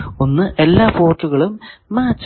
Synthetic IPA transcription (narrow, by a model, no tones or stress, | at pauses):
o̞nːɨʔe̞lːaːfo̞ːrʈːuɣɐɭumːaːt͡ɕː